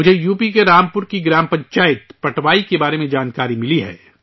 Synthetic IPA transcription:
mʊd͡ʒʱejuːpikeɾaːmpʊɾkiɡɾaːmpɐ̃ɲt͡ʃaːjɪt̪pɐʈʰʋaːikebaːɾemẽd͡ʒaːnkaːɾimɪliɦɛ̰ː

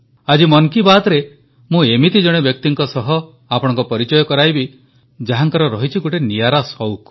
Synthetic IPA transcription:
ad͡ʒimɔŋkibad̪ɾe | mũemit̪id͡ʒɔɽ̃ebjɔk̚t̪iŋkɔsɔɦɔ | apɔɽ̃ɔ̃ŋkɔpɔɾit͡ʃɔjɔkɔɾajbi | d͡ʒaɦaŋkaɾɔɾɔɦit͡ʃʰikoʈenijaɾasɔwk

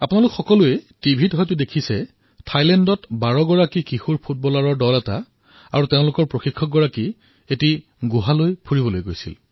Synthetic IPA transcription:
apʊnalʊkxɔkɔluɛtibʱitɦɔjtʊdekʰisɛ | tʰajlɛndɔtbaɹɔɡɔɹakikixuɹpʰut̚bɔlaɹɔɹdɔlɛta | a̰ɹuteʊ̃lʊkɔɹpɹoxikʰːɔk̚ɡɔɹaki | eti | ɡuɦalojpʰuɹibɔlojɡojsḭl

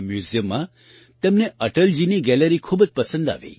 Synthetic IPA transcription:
mjuzijəmːã | t̪emneəʈəld͡ʒiniɡɛləɾikʰuːbəd͡ʒpəsə̃nd̪a̰ʋḭ

